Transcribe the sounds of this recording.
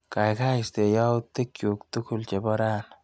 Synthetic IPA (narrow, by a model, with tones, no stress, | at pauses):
ka˨jka˦ɪ˨st̪e˨ja˦wt̪ːe˦kju˨kt̪u˦kʊ˨lt͡ʃɛ˨bɔ˦ɾaː˦n